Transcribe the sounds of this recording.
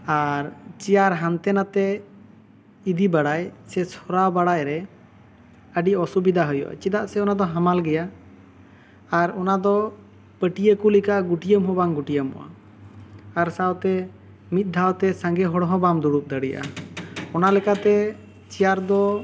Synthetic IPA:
aɾt͡ʃijaɾɦant̪ɛnat̪ɛ | id̪ibaɽajsɛsʰɔɾawbaɽajɾɛ | əɖiɔsubid̪aɦɔjɔ̰ʔa̰t͡ʃid̪aʔsɛɔnad̪ɔɦamalɡɛja | ɾɔnad̪ɔ | pəʈijəkulikaʔɡuʈijəmɦɔbaŋɡuʈijəmɔ̰wa̰ː | ɾsawt̪ɛ | mit̪̚ˀd̪ʱawt̪ɛsãŋɡɛɦɔɽɦɔ̃bamd̪uɽup̚d̪əɽija̰ɔnalɛkat̪ɛ | t͡ʃijaɾd̪ɔ

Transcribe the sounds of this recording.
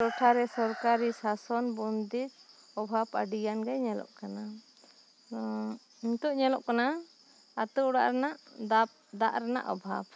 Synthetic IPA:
ɾɔʈʰaɾɛsɔɾkaɾisasɔnbɔnd̪iɾ | ɔbʱaba̰ɖijanɡɛɲɛlɔ̰ʔkana | iɲt̪ɔʔɲɛlɔʔkanaː | t̪ɔɔɽa̰ʔɾɛnaʔd̪a | d̪aʔɾɛna̰ʔɔ̰bʱab

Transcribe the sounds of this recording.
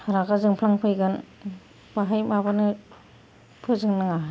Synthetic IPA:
haɾaɡazɯŋpʰlaŋpʰɯjɡan | baɦajmabanɯ | pʰɯzɯŋnɯŋa

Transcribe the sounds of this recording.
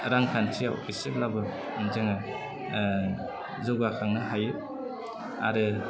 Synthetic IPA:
ɾaŋkʰantʰijaw̰pʰisiblabɯ | nzɯŋa | zɔɡakʰaŋnɯɦajɯ | a̰ɾɯ

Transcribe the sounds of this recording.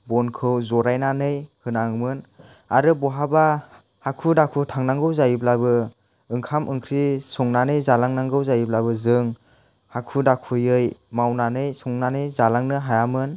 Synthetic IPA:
bɔnkʰɯwzɔɾajnanɯjhɯnaŋmɯn | aɾɯbɔɦaba | hakʰudakʰutʰaŋnaŋɡɯwzajiblabɯ | ɯŋkʰamʔɯŋkʰɾisɔŋnanɯjzalaŋnaŋɡɯwzajiblabɯzɯŋ | hakʰudakʰujɯjmawnanɯjsɔŋnanɯjzalaŋnɯɦajamɯn

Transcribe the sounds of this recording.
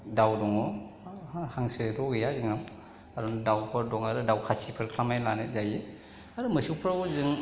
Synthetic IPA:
dawdɔŋɔ | haŋsɯtʰɔɡejaziŋam | aɾɔndawpʰɯɾdɔŋaɾɯdawkʰasipʰɯɾkʰlamajnlanet̚zaje | aɾɯmɯsupʰɾawzɯŋ

